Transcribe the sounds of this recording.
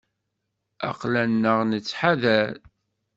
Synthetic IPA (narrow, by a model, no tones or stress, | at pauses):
a̰qlænːəʁnət͡sːħaðæɾ